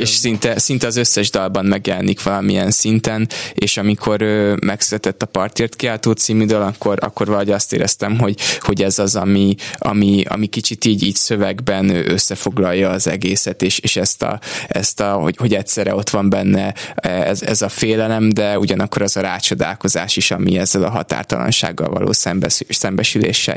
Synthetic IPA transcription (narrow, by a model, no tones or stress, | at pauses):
eʃsint̪ɛsin̪t̪ɛɒzøsːɛʒd̪ɒlbɒnːɛɡjɛlɛnikʋɒlɒmiɛnsint̪ɛneːʃɒmikʰo̞ɾøːmɛksyɾɛt̪ɛt̪ːɒpɒrt̪eːrt̪kiaːlt̪oːt̪siːmyd̪øːlɒkːo̞ɾɒ̰kːo̞rvɒlɒɦoɟɒst̪ḛːɾɛst̪ɛmɦo̞ɟho̞ɟɛzɒzɒ̰miɒ̰miɒ̰mikit͡ʃit̪iːɟiːcsøvɛɡbɛnøːʔøsːɛfo̞ɡlɒjːɒːzɛɡeːsɛt̪eːʃeːʃɛst̪ɒ̰ɛst̪ɒhoho̞ɟɛt̪sɛɾɛ̰o̞t̪ʋɒmbɛnːɛɛɛzɛ̰zɒfeːlɛlɛmd̪ɛuɟɒnɒkːo̞ɾɛzɒɾaːt͡ʃo̞d̪a̰ːlko̞zaːʃiʃɒmiɛzːɛlɒ̰ɦɒ̰t̪a̰ːrt̪ɒlɒ̰nʃa̰ːɡːɒ̰lvɒ̰lo̰ːsɛmbɛsɛmbɛʃylḛːʃːɛ̰